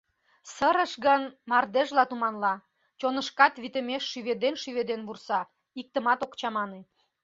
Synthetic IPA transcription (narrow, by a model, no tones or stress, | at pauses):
səɾəʃɣənmɑrd̪eʒlɑt̪umɑnlɑ | t͡ɕonəʃkɑt̪βit̪əmeʃːyβed̪enʃyβed̪enβursɑ | ik̚t̪əmɑt̪okt͡ɕɑmɑne